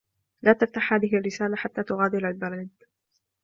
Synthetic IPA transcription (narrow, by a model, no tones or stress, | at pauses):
laːt̪aft̪aħhaːðɪɦɪrːɪsaːlaħat̪ːaːt̪ʊɣaːd̪ɪlalbɑɾˤiːd̪